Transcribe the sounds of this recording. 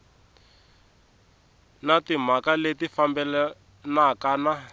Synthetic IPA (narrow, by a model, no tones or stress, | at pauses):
natim̤akaletifambɛlɛ | nakana